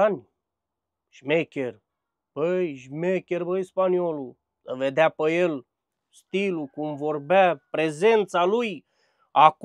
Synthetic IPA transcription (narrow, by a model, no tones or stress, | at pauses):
anʲ | ʒ̥mekʲer | b̥əjʒmekʲerbəjspaniolu | səved̪eapəjel | st̪ilukumvorbapɾezent̪saluj | ak